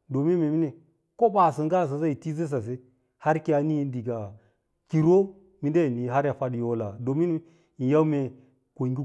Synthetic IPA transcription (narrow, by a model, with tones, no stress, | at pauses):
do˨mi˦nme˨mi˦ne˨ | ko˦ba˨si˨ŋ˦ɡa˦˨s̬a˨za˦i˨ti˦ze˦s̬a˨s̬e˦ | ha˦ɾki˦a˦ni˦n˦di˨ɡa˨ | ki˨ɾo˦ | mi˦nde˦˨ni˨ɦa˦ɾa˨fa˦djo˦la˨do˨mi˦n˦ | i˨ja˦wme˨ | ko˨ɡi˦